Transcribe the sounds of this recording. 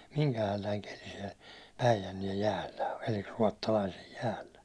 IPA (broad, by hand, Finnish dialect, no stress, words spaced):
miŋkæhælːæiŋ keli siɛl pæijænːiɛj jæːlːæ o eli ruɒtːɑlɑisej jæːlːæ